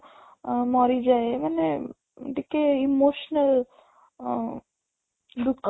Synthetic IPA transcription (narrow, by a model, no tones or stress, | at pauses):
mɔɾid͡ʒaemane | ʈikːeimoːʃnəl | ɖukː